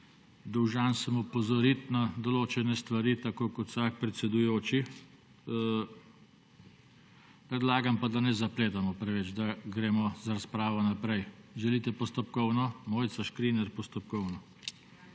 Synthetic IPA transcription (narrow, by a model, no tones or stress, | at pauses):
d̪ɔwʒaːnsəmupɔzɔɾit̪nad̪ɔloːt͡ʃɛnɛst̪ʋaɾiːt̪akoːkɔt̪wsaːk̚pɾɛt̪sɛd̪ujoːt͡ʃi | pɾɛd̪laːɡampad̪anɛzapleːt̪amɔpɾɛʋɛt͡ʃd̪aɡɾeːmɔzaɾaspɾaːʋɔnapɾɛjʒɛlit̪ɛpɔst̪ɔpkɔwnɔmoːjt̪saʃkɾiːnɛɾpɔst̪ɔpkɔwnɔ